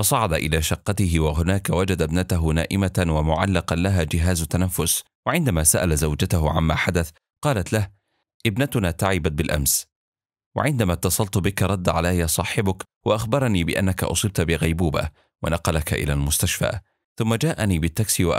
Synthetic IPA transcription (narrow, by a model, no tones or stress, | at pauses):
fɑsˤɑʕɑd̪aʔɪlaːʃɑqːɑt̪ɪɦɪwaɦʊnaːkawad͡ʒad̪abnat̪aɦʊna̰ːʔɪmat̪wamʊʕa̰lːɑqɑlaɦaːd͡ʒɪɦaːzt̪ːanafːʊs | waʕɪnd̪amaːsaʔalazawd͡ʒat̪aɦʊʕa̰nmaːħad̪aθ | qɑːlat̪lah | ʔɪbnat̪ʊnaːt̪aʕɪbat̪̚bɪlʔa̰ms | wa̰ʕɪnd̪amat̪ːɑsˤɑlt̪ʊbɪkaɾˤɑd̪ːʕalajjaːsˤɑːħɪbʊk | waʔaxbɑɾˤɑniːbɪʔa̰nːaka̰ʔʊ̰sˤɨːb̚t̪bɪɣajbuːba̰ | wa̰nɑqɑlaka̰ʔɪ̰la̰ːlmʊst̪aʃfa̰ː | θʊmːad͡ʒaːʔaniːbɪt̪ːaksiwa̰ʔ